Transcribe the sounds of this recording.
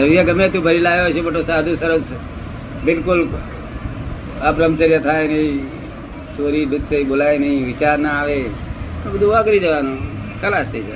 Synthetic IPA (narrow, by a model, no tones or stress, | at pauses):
əɾʋijaɡəmẽt̪ũːbʱəɾilaːjot͡ʃʰebəʈoːsaːd̪ʱũːsəɾəs | bɪlkʊl | əbɾəmt͡ʃəɾjət̪ʰaːjnəĩ | t͡ʃoːɾiːd̪ʊd̪̚t͡ʃəibolaːjnəĩʋɪt͡ʃaːɾnaaːʋeːõbəd̪ʱũʋaɡəɾid͡ʒəʋanũː | kəlaːst̪ʰəid͡ʒa